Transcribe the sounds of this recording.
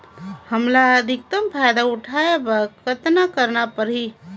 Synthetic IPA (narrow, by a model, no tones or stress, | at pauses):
həmlaəd̪ʱik̚t̪əmpʰajd̪auʈʰaebəkət̪nakəɾnapəɾɦi